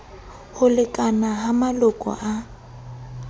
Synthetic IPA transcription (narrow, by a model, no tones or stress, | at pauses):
hʊlɪkʼanaɦamalʊkʼɔ̰ʔa